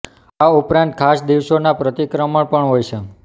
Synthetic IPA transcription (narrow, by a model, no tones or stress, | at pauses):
aupɾãnt̪̚kʰasd̪iʋʃonapɾət̪ikɾəməɭpəɳɦojt͡ʃʰe